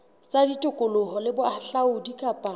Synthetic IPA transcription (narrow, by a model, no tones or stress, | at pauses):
t͡sʼaditʼʊkʼʊlʊɦɔlɪbʊaɬaʊdikʼapʼa